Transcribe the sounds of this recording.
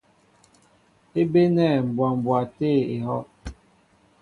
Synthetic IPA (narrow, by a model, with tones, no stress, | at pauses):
e˦be˦nɛ˦˨m̩˨bwa˨m˨bwa˨te˦˨e˨ɦɔ˦ʔ